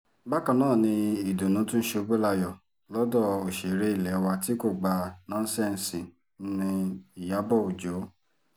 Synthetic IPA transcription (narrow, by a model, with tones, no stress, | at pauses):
ba˦kã˧nãː˦˨nĩ˧i˨do˨nũ˨˦tũ˦ʃe˧o˧ɡ͡be˦la˧jɔ˨ | lɔ˦dɔ˦˨o˨ʃe˨ɾe˦i˦˨lɛ˨˦wa˧ti˨˦ko˦˨ɡ͡ba˧˦nɔ̃˦n̩˦sɛ̃˦˨n̩˨sĩ˨˦ | nĩ˧i˨ja˨˦bɔ˦˨o˨d͡ʒo˨˦